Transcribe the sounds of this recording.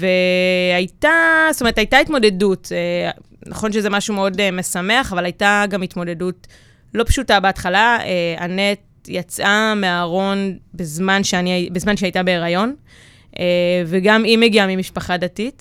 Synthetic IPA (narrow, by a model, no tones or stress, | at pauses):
ve̞ajtastomethajtaitmo̞de̞dute | nʔaχo̞nʃezemaʃumeo̞deme̞same̞aχavalajtaɡamitmo̞de̞dut | lo̞pʃutabeatχalaea̰net̚ | jat͡sʔameaʁo̞nbezmanʃeaniabezmanʃeajtabe̞ːʁajo̞n | ʔeveɡamimeɡiamimiʃpaχadatit